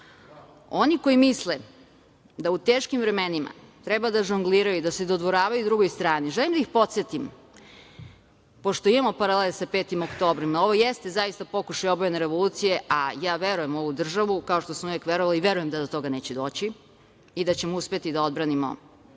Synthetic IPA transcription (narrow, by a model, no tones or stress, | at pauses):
oniko̞jimisle | d̪aut̪eːʃkimvɾeme̞nima̰t̪ɾebad̪aʒuŋɡliɾajud̪ase̞d̪o̞d̪ʋo̞ɾaːʋajud̪ɾuɡo̞jst̪ɾaːniʒelimd̪aixpo̞t̪set̪im | po̞ʃt̪oimamo̞paɾalelˠsapeːt̪imokt̪o̞ːbɾimao̞ʋo̞jest̪ezajist̪apo̞kuʃajobojeneɾe̞ʋo̞luːt̪sije̞ʔajaːʋe̞ɾujemo̞ʋud̪r̩ʒaʋukao̞ʃt̪o̞smuʋjekʋeɾoʋaliʋe̞ɾuje̞md̪ad̪ot̪o̞ɡane̞ːt͡ɕed̪o̞ːt͡ɕi | id̪at͡ɕe̞mouspet̪id̪ao̞d̪̚bɾanimo̰